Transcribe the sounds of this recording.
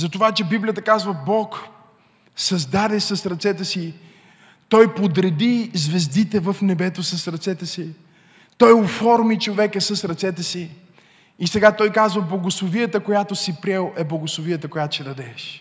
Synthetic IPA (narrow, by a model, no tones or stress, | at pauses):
zɐt̪ovat͡ʃɛbiblʲijət̪əkazvəbɔk | sɐzd̪ad̪ɛsɐsɾɐt̪sɛt̪ɛsi | t̪ɔjpod̪ɾɛd̪izvɛzd̪it̪ɛvəfnɛbɛt̪osɐsɾɐt̪sɛt̪ɛsi | t̪ɔjofɔɾmit͡ʃovɛkɛsəsɾɐt̪sɛt̪ɛsi | isɛɡat̪ɔjkazvəblˠɐɡoslˠovijət̪əkojat̪ʊsipɾʲɛlˠɛblˠɐɡʊslˠoviət̪əkoʊjat̪ʊ̥t͡ʃɛd̪ɐd̪ɛʃ